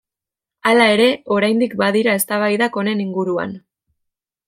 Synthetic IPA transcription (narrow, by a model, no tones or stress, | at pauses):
alae̞ɾe̞o̞ɾajnd̪ikbaðiɾae̞st̪aβ̞ajðako̞ne̞niŋɡuɾua̰n